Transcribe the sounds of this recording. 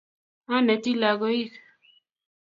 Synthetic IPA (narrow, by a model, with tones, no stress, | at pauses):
a˦nɛ˨ti˦la˨ɣɔ˨˦i˦k